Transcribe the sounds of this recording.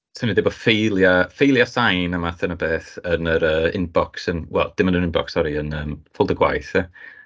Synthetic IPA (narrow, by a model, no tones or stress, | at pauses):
sʰənidɪbɔfejlˠjafejlˠjasajnamaθənəbeːθənəɾəːɪ̰nbɔksənwɛ̰lˠd̥ɪmənənɪnbɔ̰ksɔɾiənəːmfʊlˠdəɡwa̰jθɛ